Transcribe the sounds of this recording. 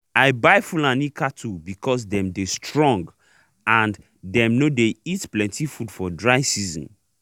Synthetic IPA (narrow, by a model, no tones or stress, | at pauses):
aɪbaɪfulãnikʰatʰubikʰɔs̬dɛ̃mdestʰɹɔ̃ŋɡ | ãn | dɛ̃mnodeitplɛ̃ntʰifudfɔdɹaɪsizɔ̰̃n